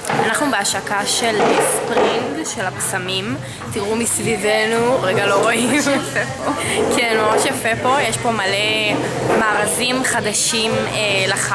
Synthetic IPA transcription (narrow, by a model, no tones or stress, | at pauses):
anaχnubeaʃakaʃelespʁindʃe̞lapsamim | tiʁumisvivenuʁeɡalo̞ʁoim | kʰeneʁoʃjafepo̞jeʃpo̞malemaːʁazimχad̪aʃimelaχa